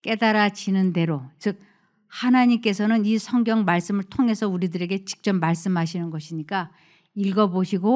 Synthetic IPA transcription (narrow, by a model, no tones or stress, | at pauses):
k͈e̞daɾad͡ʑinɯnde̞ɾot͡ɕɯk̚ | hanaɲimk͈e̞sʰʌnɯnisʰʌŋɡjʌŋmaɭs͈ɯmɯɭtʰoŋɦe̞sʰʌuɾidɯɾe̞ɡe̞t͡ɕi̥k̚t͡ɕ͈ʌmːaɭs͈ɯmɦaɕʰinɯnɡʌɕʰiɲik͈a | iɭɡʌboɕʰiɡo